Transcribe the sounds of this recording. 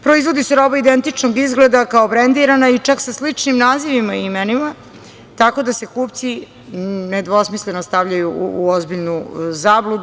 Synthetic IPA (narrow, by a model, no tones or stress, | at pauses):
pɾo̞izʋo̞d̪iseɾo̞baid̪ent̪it͡ʂnoɡizɡled̪akaobɾend̪iɾanait͡ʂaksaslit͡ʂnimnaːziʋimaimenima | t̪ako̞d̪ase̞kuːp̚t̪si | ned̪ʋo̞smisle̞nost̪aʋʎajṵːozbiʎnuzaːblˠud̪